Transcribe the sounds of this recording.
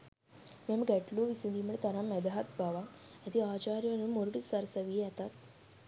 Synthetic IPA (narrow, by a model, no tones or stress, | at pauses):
mɛ̃mɡɛʈloʋisind̪iːməɭet̪aɾãmɛd̪ɦat̪bʱaʋa | jat̪iat͡ɕaɾjənumoɾʈit̪saɾsəʋijɛt̪at̪